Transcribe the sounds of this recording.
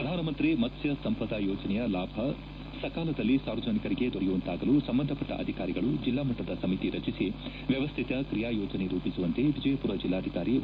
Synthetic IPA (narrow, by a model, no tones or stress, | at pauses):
pɾɐd̪ʱaːnɐmɐnt̪ɾimɐt̪ʰjɐsɐmpɐd̪aːjɔːd͡ʒɐnɛjɐlaːbʱɐ | sɐkaːlɐd̪ɐlːisaːɾʋɐd͡ʒɐnikɐɾiɡe̞d̪ʱɔɾɛjuːnt̪aːɡɐlusɐmbɐnd̪ʱɐpɐʈːɐ̰ʔɐ̰d̪ʱikaːɾiɡɐɭud͡ʒilːaːmɐʈːɐd̪ɐsɐmit̪iɾɐt͡ʃisi | ʋjɐʋɐst̪ʰit̪ɐkɾijaːjɔːd͡ʒɐneɾuːpisuʋɐnt̪eʋid͡ʒɐjɐpuːɾɐd͡ʒilːaːd̪ʱikaːɾi